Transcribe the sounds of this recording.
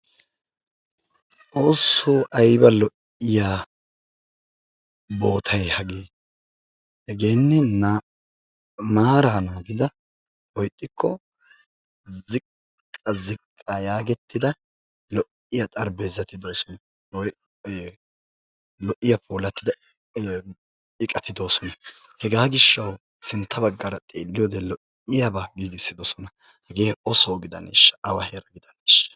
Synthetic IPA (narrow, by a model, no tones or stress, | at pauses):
t͡sʼoːsːoːʔɐjbɐlɔʔ | ɪjaː | bo̞ːt̪ʰɐjhɐɡeː | hɛɡe̞ːnːɛna | maːɾaːnaːɡɪd̪ɐ | wɔjt̪ʼːɪkʰːɔ | zɪkʼː | ɐzɪkʼːajaːɡɛt̪ʰːɪd̪ɐ | lɔʔɪjɐt̪ʼɐɾbezːɐt̪ɪd̪ɔːsɔnɐ | ɔ | lɔʔːɪjɐpʰoːlɐt̪ːɪd̪ɐ | ɪkʼɐt̪ɪd̪oːsɔnɐ | hɛɡaːɡɪʃːɐw | sɪnt̪ːɐbɐɡːɐɾɐt̪ʼḛːlːɪjɔːd̪ɛlɔʔ | ɪjɐbaɡiːɡɪsːɪd̪ɔsɔnɐ | hɐɡe̞ːɔsowɡɪd̪ɐnḛːʃːɐ̥ʔɐwɐheɾɐɡɪd̪ɐneːʃːɐ̥